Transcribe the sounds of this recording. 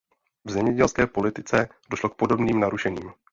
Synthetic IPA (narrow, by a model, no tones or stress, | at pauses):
vzɛmɲɛɟɛlskɛːpo̞lɪt̪ɪt͡sɛdo̞ʃlo̞k̚po̞do̞bniːmnaɾuʃɛɲiːm